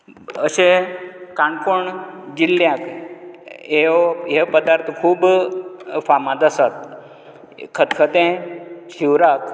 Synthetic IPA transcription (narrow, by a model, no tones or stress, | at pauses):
əʃekãnkoɳd͡ʒilːjãk | eoepəd̪aɾt̪ʰkʰuːb | famãd̪əsət̪ | kʰət̪kʰət̪ẽʃiwɾak